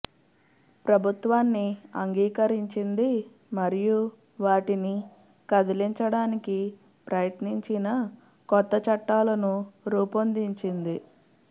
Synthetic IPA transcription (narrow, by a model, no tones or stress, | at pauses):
pɾɐbʱut̪ʋaːnːiɐŋɡiːkɐɾiɲt͡ʃind̪i | mɐɾiju | ʋaːʈini | kɐd̪iliɲt͡ʃɐɽaːniki | pɾɐjɐt̪niɲt͡ʃinɐ | kɔt̪ːɐt͡ʃɐʈːaːlɐnuɾuːpɐnd̪iɲt͡ʃind̪i